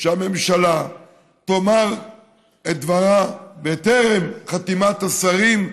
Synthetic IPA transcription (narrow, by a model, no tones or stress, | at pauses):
ʃame̞mʃala | t̪omaʁ | et̚d̪vaʁabet̪eʁemχat̪imat̪asaʁim